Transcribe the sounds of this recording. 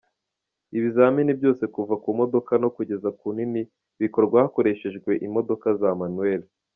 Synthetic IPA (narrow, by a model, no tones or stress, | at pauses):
iβizaːminibjo̞ːse̞kuvakumo̞do̞kano̞kuɟe̞zakunini | βiko̞ɾɡwahako̞ɾe̞ːʃe̞ʒɡwe̞ʔimo̞do̞kazaemanue̞li